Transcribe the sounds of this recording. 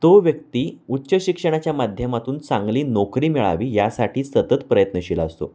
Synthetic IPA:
t̪oʋjək̚t̪iːutːɕəɕikʂəɽ̃at͡ɕjamad̪ʱjəmat̪uːnt͡sãŋɡliːnokɾiːmiɭa̰ʋiːjasaʈʰiːsət̪ət̪pɾəjət̪nəɕilaəst̪o̰

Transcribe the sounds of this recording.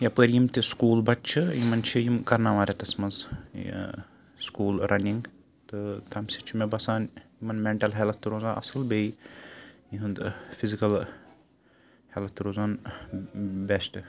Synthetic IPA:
japəɾjimt̪iskuːlbɐt̪t͡ʃʰɨjimɐnt͡ʃʰijimkɐɾnaʋaːɾʲet̪ɐsmɐnz̰ | skuːlɾʔɐniŋɡ | t̪ɨt̪ʰɐmsit͡ʃʰimebɐsaːnjimɐnmeɳʈɐlɦelɐt̪ːɨɾozãːʔɐ̰sɐlbei | jiɦũnd̪fʰizikɐl | helɐt̪ːɾoːzaːn | besʈ

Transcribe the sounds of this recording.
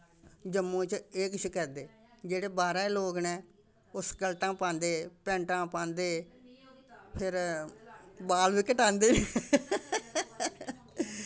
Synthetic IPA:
d͡ʒəmːõːt͡ʃeːkʃəkɛd̪eː | d͡ʒeːɽeːbaːɾɛːloːɡnɛ̃ː | ʊsɡəlt̪ãːpãːnd̪eːpɛ̃ːɳʈãːpãːnd̪eː | pʰɪɾ | baːlʋiːkəʈãːnd̪eː

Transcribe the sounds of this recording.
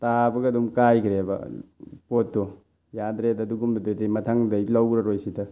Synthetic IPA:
tabɐɡɐɐdumkajkʰɾebɐ̰potːɔ | jadɾedɐːduɡumdɐdodemɐtʰaŋdɐlawɾɐɾojsidɐ

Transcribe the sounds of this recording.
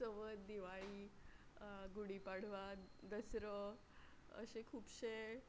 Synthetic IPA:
səʋət̪d̪iʋaɭiː | ɡuɽipaɽ̤ʋad̪əsɾə | ə̰ɕekʰuːpɕe

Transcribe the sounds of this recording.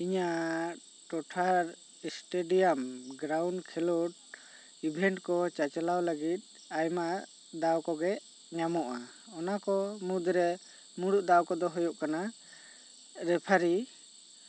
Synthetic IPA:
iɲaʔ | ʈɔʈʰaɾ | isʈeɖijamɡɾawɳɖkʰɛlɔʈ̚ | ibʱɛɳʈkɔt͡ʃat͡ʃɛlawləɡit̪̚ˀ | ajma | d̪awkɔɡɛʔ | ɲamɔʔa | ɔnakɔmud̪ɾɛ | muɽuʔ̚d̪awkɔd̪ɔɦɔjɔʔkana | ɾɛpʰaɾi

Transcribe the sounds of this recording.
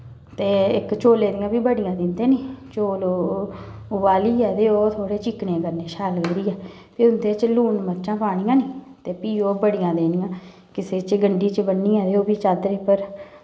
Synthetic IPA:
t̪eːɪkt͡ʃoːleːd̪ɪjãːbiːbəɽɪjãːd̪ɪnd̪eːniːt͡ʃoːlo | ʊbaːliːɛːd̪eːoːt̪ʰoːɽeːt͡ʃɪkneːkəɾneːʃʰaːləɡɡɾiːɛː | piːʊnd̪eːt͡ʃluːɳmətːʃãːpaːɽ̃iːãːniːt̪eːpiːoːbəɽɪjãːd̪eːnijãː | kɪseːt͡ʃɡəɳɖiːt͡ʃəbənːiːɛ̃ːd̪eːoːbiːt͡ʃaːd̪ɾeːpəɾ

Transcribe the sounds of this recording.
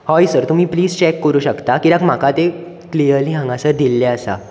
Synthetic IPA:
hɔjsəɾt̪um̤iːpliːd͡zt͡ɕekːəɾuːɕəkt̪akiɾãkm̤akat̪e | klijəɾliɦãŋɡãsəɾd̪ilːɛəsa̰

